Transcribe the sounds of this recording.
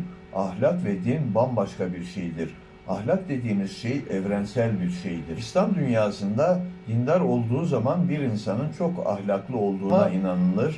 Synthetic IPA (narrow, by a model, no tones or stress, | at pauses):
ahlʲakvɛd̪inbambaʃkʰabiɾʃejd̪iɾ̥ | a̰hlʲak̚d̪e̞d̪iːmiz̥ʃejɛvɾænsælʲbiɾʃejd̪iɾist̪and̪ynjaːsɯnd̪ad̪̥ind̪aɾo̞lˠd̪uːzamanbiɾinsanɯnt͡ʃʰo̞ka̰hlʲaklˠɯo̞lˠd̪uːainanɯlˠɯɾ̥